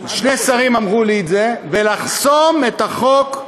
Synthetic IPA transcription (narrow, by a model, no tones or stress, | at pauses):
ʃne̞saʁimamʁuliːzevelaχso̞met̪aχo̞k